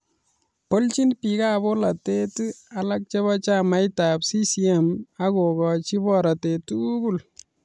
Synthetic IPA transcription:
pəlt͡ʃinpiɡaːbolɐt̪eːt̪ɨɐlɐɡ̚t͡ʃɐβɐt͡ʃaːmɐjt̪aːbsisiemɐɡoːɡɔt͡ʃibɔɾɐt̪et̪uuɡul

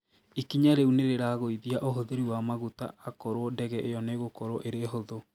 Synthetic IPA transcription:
ikiɲaɾeuneɾeɾaɣoiðiaʔoɦoðeɾiwamaɣuta̰ːkoɾodɛɣɛʔejɔneɣokoɾoʔeɾeɦoðo

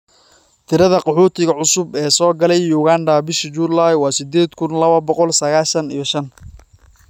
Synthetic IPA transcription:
t̪ʰɪɾɐðɐqɑħuːt̪ʰɪɣɐʕʊsʊbɛːsɔːɡɐlɛjːuːɣaːnɖɐbɪʃɪt͡ʃuːlajwɑːsɪd̪ɛːd̪kʰʊnlɐβɐbɔqɔlsɐɣaːʃɐnḭjɞʃɐn

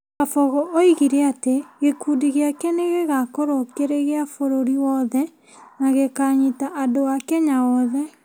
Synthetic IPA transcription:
afɔɣɔʔoiɣiɾɛateɣekudiɣeakɛneɣeɣakoɾokeɾeɣeafoɾoɾiwɔðɛ | naɣekaɲitaʔadoakɛɲawɔðɛ

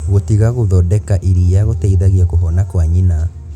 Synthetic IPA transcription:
ɣotiɣaɣoðɔdɛkaʔiɾijaɣotaiðaɣiakoɦɔnakwaɲina

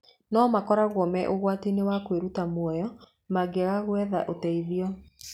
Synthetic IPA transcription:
nɔːmakɔɾaɣwɔmɛʔoɣwatinewakweɾutamwɔjɔ | maɡɛɣaɣwɛða̰ʔotɛiðiɔ

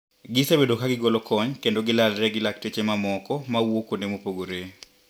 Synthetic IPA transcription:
ɡɪsebedokaɡɪɡolokɔɲkendoɡɪlalɾɛɡɪlaktet͡ʃemamɔkɔmawokonemopoɡoɾe

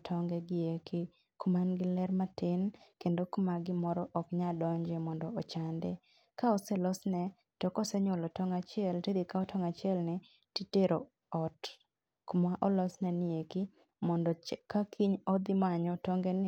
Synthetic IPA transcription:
tʰɔŋɡɛɡɪekɪ | kumanɡɪlɛɾmatɪnkendokumaɡɪmɔɾɔʔɔkɲadɔɲd͡ʒemɔndɔːt͡ʃandɛ̰ | kaɔsɛlɔsnɛ | tɔkɔsɛɲolɔtɔŋat͡ʃɪɛltedikaɔtʰɔŋat͡ʃɪɛlnɪ | titeɾo | ɔt | kmaʔɔlɔsnɛnɪekɪ | mɔndɔt͡ʃkakʰiɲɔd̪ɪmaɲɔtɔŋɡɛnɪ

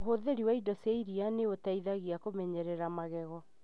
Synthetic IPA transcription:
ɦoðeɾiwaidɔseiɾianeotaiðaɣiakomɛɲɛɾɛɾamaɣɛɣɔ

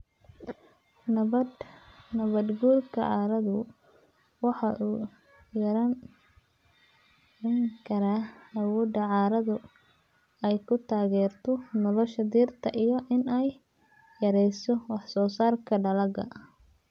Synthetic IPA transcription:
nɐβɐd̪ɡuːrkʰɐ̰ʕɑːɾɐðʊ | wɑħɑʔuː | jɐɾɐn | ɛŋkʰɐɾaːɐwɔːd̪ɐʕɑːɾɐðʊ | ɛjkʰʊt̪ʰaːɣɛːrt̪ʰɔnɔlɔʃɐd̪iːrt̪ʰɐʔijɔʔɪnɛjː | ɐɾɛjsɔwɑħsɔːsaːrkʰɐɖɐlɐɡɐ̰

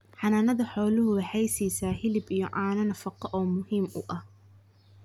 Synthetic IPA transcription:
ħɑnaːnɐðɐħɔːlʊɦʊwɑħɑjsiːsaːhɪlɪbijɔ̰ʕɑːnɐnɐfɑqɐʔɔːmʊhiːmʊ̰ʔɐh

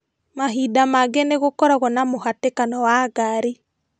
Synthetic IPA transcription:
maɦidamaɡɛneɣokɔɾaɣwɔnamoɦatekanɔwaɡaɾe

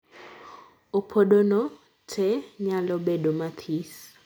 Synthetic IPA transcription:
opʰoɗonɔ | tʰɛɲalɔbeɗomat̪ʰis

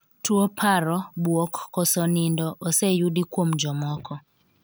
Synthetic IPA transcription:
twopʰaɾɔbwɔkːɔsɔnindɔʔɔsejudikwomd͡ʒɔmɔkʰɔ

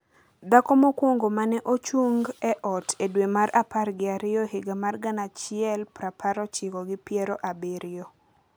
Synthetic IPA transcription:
d̪akɔmokwoŋɡomanɛʔot͡ʃuŋɡɛʔɔtʰedwemaɾaparɡɪaɾɪɔhɪɡamarɡanat͡ʃɪɛlpɾapʰaɾɔt͡ʃɪkɔɡɪpɪɛɾɔʔabeɾɪjo

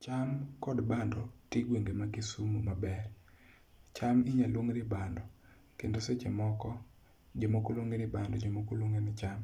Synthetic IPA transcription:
t͡ʃamkɔdbandɔtiɡweŋɡemaɡɪsumumabɛr | t͡ʃamɪɲalwoŋɾɪbandɔ | kendoset͡ʃemɔkɔ | d͡ʒomokoloŋɡenɪbandɔd͡ʒomokoloŋɡenɪt͡ʃam

